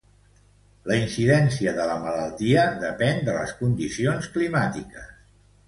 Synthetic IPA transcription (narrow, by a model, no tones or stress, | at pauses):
ləinsiðɛnsiəðələmələlˠt̪iəðəpɛnd̪ələ̰skund̪isionsklimat̪ikəs